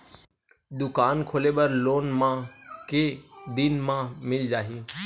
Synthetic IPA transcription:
d̪ʊkaːnkʰoːleːɓəɾloːnmãːkeːd̪ɪnmãːmɪld͡ʒaːɦiː

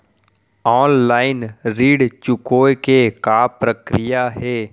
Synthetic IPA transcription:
ɔːnlaːɪnɾiːɽt͡ʃʊkoːjkekaːpɾəkɾɪjaɦɛː

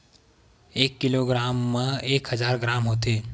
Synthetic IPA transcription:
eːkːiloɡɾaːmːeeːkɦəd͡ʒaːɾɡɾaːmɦoːt̪eː

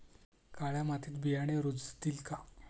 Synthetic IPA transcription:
kaɭjamat̪ʰiːt̪bijaɽ̃eɾud͡zt̪iːlka

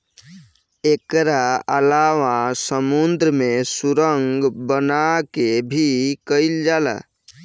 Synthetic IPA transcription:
ekɾaəlawasəmund̪ɾəmesuɾəŋɡbənakebʱikəild͡ʒala̰

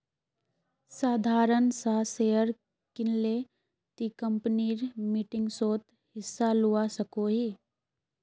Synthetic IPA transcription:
saːd̪ʱaːɾənsaːseːəɾ | kɪnle | t̪ikə̃mpniːɾmiʈɪ̃ŋɡsoːt̪ | hɪsːaluːasəkoɦiː

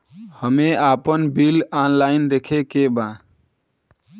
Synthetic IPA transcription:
həmeaːpənbilanlaɪnd̪ekʰekebã

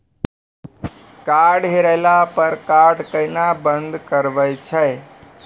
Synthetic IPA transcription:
kaːɾɖɦeɾəlapəɾkaːɾɖkəinabənd̪ʱkəɾʋəjt͡ʃʰəj

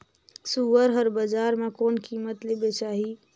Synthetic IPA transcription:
suʋəɾɦəɾbəd͡ʒaːɾmẽkoːnkiːmət̪lebet͡ʃaːɦi

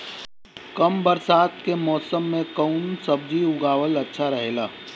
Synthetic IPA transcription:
kɐmbəɾsaːt̪kemɔːsəmːẽkəʊnsɐbd͡ʒiʊɡaːwəlɐtːʃʰaɾɐɦeːlaː

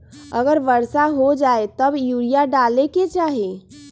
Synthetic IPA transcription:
əɡəɾʋəɾsaɦod͡ʒaet̪əbjuɾijaɖaleket͡ʃaɦe

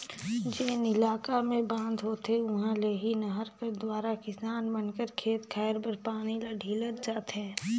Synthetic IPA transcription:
d͡ʒeːnɪlaːkamẽbãːnd̪ɦoːt̪eʊɦãleɦinɐɦəɾkəɾd̪waːɾakɪsaːnbɐnkəɾkʰeːt̪kʰɛːɪɾpəɾpaːnilaɖʱiləɾd͡ʒaːt̪ɦɛ̃ː

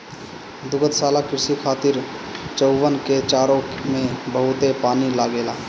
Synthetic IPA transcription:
d̪ʊɡət̪saːlakɪɾɪsikʰaːt̪iɾt͡ʃəʊʋənket͡ʃaːɾomẽbəɦʊt̪epaːnilaɡeːlaː

